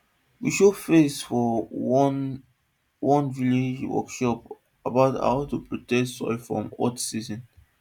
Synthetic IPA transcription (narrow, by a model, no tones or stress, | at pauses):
wiʃofesfɔn | wɔ̃nviled͡ʒwɔ̰kʃɔp | abaʊta̰ʊtupɹotɛtsɔ̰ɪfɹɔ̰̃mɔtsizɔ̃n